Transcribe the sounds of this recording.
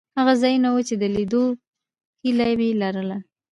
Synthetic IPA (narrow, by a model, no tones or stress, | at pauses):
haɣazɑjunawut͡ʃed̪əlid̪o | hilajbelaɾəla